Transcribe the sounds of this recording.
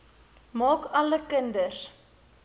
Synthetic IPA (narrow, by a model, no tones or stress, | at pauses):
mɑːkɐləkəndər